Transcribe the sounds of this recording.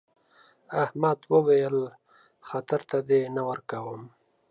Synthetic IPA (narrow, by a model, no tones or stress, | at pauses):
ahmad̪wəwajəl | xat̪aɾt̪ad̪enawəɾkawəm